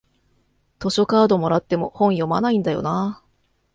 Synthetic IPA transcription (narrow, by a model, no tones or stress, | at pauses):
t̪o̞ɕo̞kaːd̪o̞mo̞ɾat̪ːe̞mo̞hõ̞ɰ̃jo̞ma̰naĩnd̪ajo̞̰naː